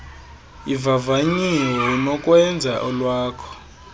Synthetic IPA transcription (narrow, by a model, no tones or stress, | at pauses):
ivavaɲiɔɦinɔkʼwɛnd͡zʱaʔɔlwaːkʰɔ̥